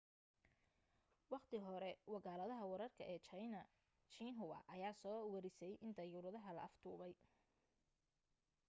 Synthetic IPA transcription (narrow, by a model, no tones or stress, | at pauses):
wɑqt̪ʰɪɦɔɾɛwɑɣaːlɐðɐɦɐwɑɾɐrkʰɐʔɛːt͡ʃɐjnɐ | t͡ʃiːnɦʊwɐ̰ʔɐjaːsɔːwɐɾɪsɛjʔɪnt̪ʰɐjuɾɐðɐɦɐlɐ̰ʔɐft̪ʰuːβɛj